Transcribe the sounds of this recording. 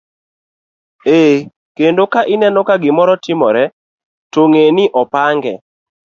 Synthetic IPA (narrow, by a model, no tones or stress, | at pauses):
e | kendokaʔɪnɛnokaɡɪmɔɾɔtɪmɔɾɛ | toŋenɪʔɔpaŋɡɛ̰